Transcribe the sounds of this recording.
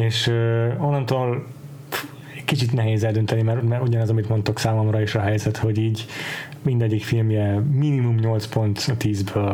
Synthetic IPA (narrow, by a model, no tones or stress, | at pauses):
eːʃøonːɒnt̪oːl | ɛkit͡ʃit̪nɛɦeːzɛld̪ønt̪ɛnimɛɾmɛɾuɟɒnɛzɒmit̪mo̞nt̪oksaːlomrɒeʃɒɦɛjzɛt̪ho̞ɟiːɟ | mind̪ɛɟːikfilmjɛminimumɲo̞lt̪spo̞nt̪t̪iːzbøːl